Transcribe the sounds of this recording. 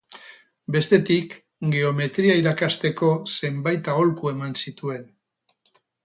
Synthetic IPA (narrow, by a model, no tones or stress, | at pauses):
be̞st̪e̞t̪ik | ɡe̞o̞me̞t̪ɾiaiɾakast̪e̞ko̞se̞mbajt̪ao̞lkue̞mansit̪ue̞n